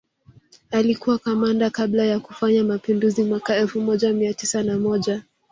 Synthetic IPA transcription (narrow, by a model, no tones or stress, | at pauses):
alikuwakamandakablajakufaɲamapinduzimwakaɛlfumɔʄamiatisanamɔʄa